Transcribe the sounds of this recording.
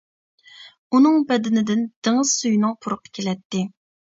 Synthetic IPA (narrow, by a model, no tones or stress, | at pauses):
unɨŋbɛd̪ɪnɪd̪ɪnd̪̥eŋɨz̥sujnɨŋpʰʊɾʊqʰə̥kʲʰelɛt̪ːɪ